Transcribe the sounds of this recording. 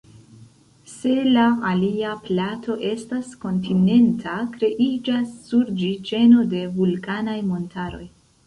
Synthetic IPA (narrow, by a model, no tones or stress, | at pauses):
se̞laaliaplato̞ʔe̞stasko̞ntine̞ntʰakɾe̞ʔid͡ʒasːuɾd͡ʒit͡ʃe̞no̞de̞vulkanajmo̞ntaɾo̞̰j